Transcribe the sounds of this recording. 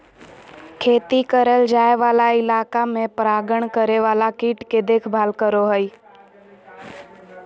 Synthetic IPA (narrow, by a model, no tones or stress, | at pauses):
kʰeːt̪ikəɾəld͡ʒaːeʋaːlaɪlaːkamẽpɾaːɡəɳ̃kəɾeʋaːlakiːʈked̪eːkʰbʱaːlkəɾoɦəi